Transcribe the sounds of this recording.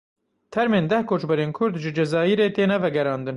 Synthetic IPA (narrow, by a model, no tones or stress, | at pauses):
t̪ʰɛɾmeːnd̪ɛhkʰoːt͡ʃbɛɾeːnkʰʊɾd̪ʒɨd͡ʒɛzɑːiɾeːt̪eːnɛvɛɡɛɾɑːnd̪ɨn